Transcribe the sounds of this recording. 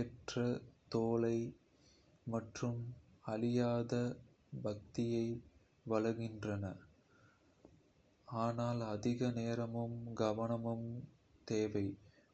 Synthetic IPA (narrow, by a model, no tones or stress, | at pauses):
ɛʈrɐt̪oːlɐɪ | mɐʈrɯmɐlɪjaːðɐ | bɐk̚t̪ɪjɐɪ | ʋɐɭɐɣɪndrɐnɐ | aːnaːlɐðɪɣɐneːɾɐmɯmɡɐʋɐnɐmɯm | t̪eːʋɐɪ